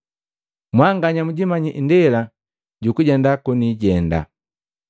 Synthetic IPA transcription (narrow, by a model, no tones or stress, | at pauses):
mwaŋɡaɲamuɟimaɲiʔndɛla | ɟukuɟɛndakuniɟɛnda̰